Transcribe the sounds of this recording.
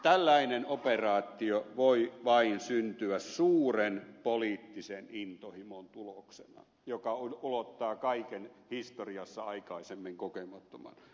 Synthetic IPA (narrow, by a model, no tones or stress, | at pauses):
t̪ælːæinenoperɑːt̪ːˑioʋoiʋɑinsynt̪yæssuːrenpoliːt̪ːisenint̪ohimont̪uloksenɑ̰ | jokɑuulot̪ːɑːkɑikenhist̪oriɑsːɑɑikɑisemːiŋkokemɑt̪ːomɑ̰n